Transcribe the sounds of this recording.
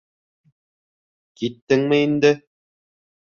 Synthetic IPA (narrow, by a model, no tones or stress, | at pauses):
kit̪ːɘŋmɘind̪ɘ